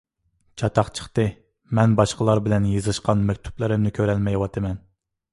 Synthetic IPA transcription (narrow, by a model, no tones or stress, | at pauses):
t͡ʃʰɑt̪ʰɑχt͡ʃʰə̥χt̪ɨ | mɛnbɑʃqəlˠɑɾbɪlɛnjɨzɨʃqɑnmɛkʲt̪ʰu̥plˠɨɾɪmnɪkʲʰøɾɛlmɛjwɑt̪ʰɨmɛn